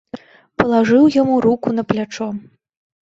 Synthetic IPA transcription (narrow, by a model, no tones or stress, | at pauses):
pɐlˠaʐɨwjamuɾukunɐplʲat͡ʂɔ